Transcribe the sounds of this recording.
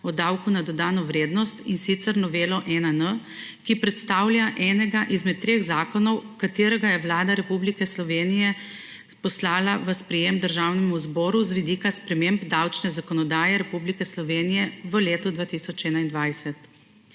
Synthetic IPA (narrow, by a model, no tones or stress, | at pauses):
ɔd̪awkunad̪ɔd̪aːnɔʋɾeːd̪nɔst̪insit̪səɾnɔʋeːlɔʔɛnənə | kipɾɛt̪st̪aːwlʲjaʔɛːnɛɡaʔizmɛt̪ːɾeːɣzaːkɔnɔwkat̪eːɾɛɡajɛʋlaːd̪aɾɛpublikɛslɔʋeːnijɛ | pɔslaːlaʋəspɾɛjemd̪əɾʒaːwnɛmuzbɔːɾuzʋid̪iːkaspɾɛmembd̪awt͡ʃnɛzakɔnɔd̪aːjɛɾɛpublikɛslɔʋeːnijɛʋəleːt̪ɔd̪ʋaːt̪isɔt͡ʃɛːnaind̪ʋajsɛt̪